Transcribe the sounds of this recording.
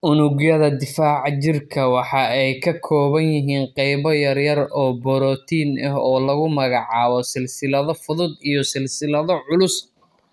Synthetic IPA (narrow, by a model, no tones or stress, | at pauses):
ʔʊnʊɣjɐðɐd̪ɪfaːʕt͡ʃɪrkʰɐwɑħɑɛjkʰɐkʰɔːβɐnjɪɦiːnqɛjβɔjɐrjɐrɔːbɔɾɔːt̪ʰiːnɐ̰ɦɔːlɐɣʊmɐɣɑʕɑːβɔsɪlsɪlɐðɔfʊðʊd̪ijɔsɪlsɪlɐðɔʕʊlʊs